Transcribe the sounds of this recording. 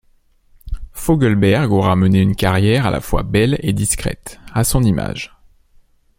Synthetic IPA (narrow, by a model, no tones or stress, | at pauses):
fɔɡəlbɛʁɡoʁaməneynkaʁjɛʁa̰lʔa̰fwa̰bɛled̪iskχɛ̰t̪asɔ̃nima̰ʒ